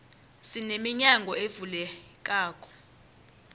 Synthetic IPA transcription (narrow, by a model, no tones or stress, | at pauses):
sinemiɲaŋɡʱɔevulɛk̬ʼaːk̬ʼɔ̥